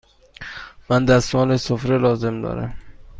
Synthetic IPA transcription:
mænd̪æsmɒːnesofɾelɒːze̞md̪ɒ̰ːɾæ̰m

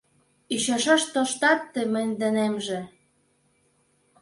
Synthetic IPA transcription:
iɕɑʃɑʃt̪oʃt̪ɑt̪ːĕmɘ̆nʲd̪ɘ̆nemʒĕ

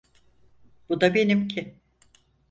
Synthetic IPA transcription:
b̥ud̪abe̞nimcʰɪ

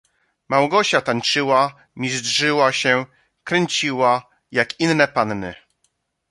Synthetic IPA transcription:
mawɡɔɕat̪aɲt͡ʂɘwa | mʲizdʐɘwaɕɛ | kɾɛɲt͡ɕiwa | jakinːɛpannɘ

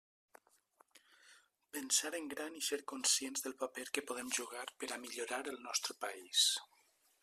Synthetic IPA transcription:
pənsaɾəŋɡɾaniseɾkunsjenzðəlˠpapeɾkəpoð̞emʒuɣ̞aɾpəɾamiʎuɾaɾəlˠnɔst̪ɾəpais

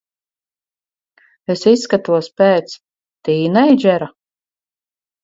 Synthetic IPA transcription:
esisːkat̪uɔspɛːt̪s | t̪iːnɛjd͡ʒʲɛɾa

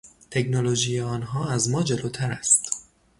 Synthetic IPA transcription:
t̪ʰe̞cnoloʒiːjeɒːnɦɒːæzmɒːd͡ʒe̞loːt̪ʰæɾæst̪

